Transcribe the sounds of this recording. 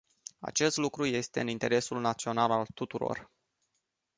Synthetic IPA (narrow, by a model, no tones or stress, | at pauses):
a̰t͡ʃe̞st̪lukɾuje̞st̪e̞ɨnint̪e̞ɾe̞sulnat̪sio̞nalalt̪ut̪uɾo̞̰r